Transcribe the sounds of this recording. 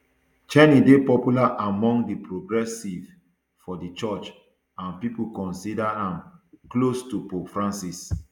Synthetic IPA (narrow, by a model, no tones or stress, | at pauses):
t͡ʃɛnidepɔpjulaʔamɔ̃ŋdipɹoɡɹɛsiv | fɔdit͡ʃɔt͡ʃ | ãnpipukɔ̃nsidaãmklostupofɹãnsis